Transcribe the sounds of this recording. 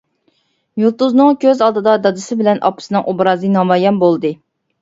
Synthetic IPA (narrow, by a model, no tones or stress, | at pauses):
julˠt̪uznɨŋkʲʰøzɑlˠd̪ɨd̪ɑd̪ɑd̪ɨsɪbɪlɛnʔɑ̰pʰɨ̥sɨnɨŋʔubɾɑːzɨnɑmɑjɛnbolˠd̪ɨ